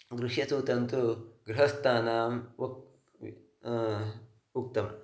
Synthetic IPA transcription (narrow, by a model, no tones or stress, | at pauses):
ɡɾuʂjɐt̪uːt̪ɐnt̪uɡɾiɦɐst̪ʰaːnaːm | uk̚t̪ɐmɐ̰